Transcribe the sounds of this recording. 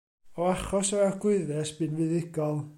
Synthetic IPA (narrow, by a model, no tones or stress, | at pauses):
ɔaχɔsɔɛrɡ̥ʊɨðɛsb̥ɨnvɨðɪɡ̥ɔlˠ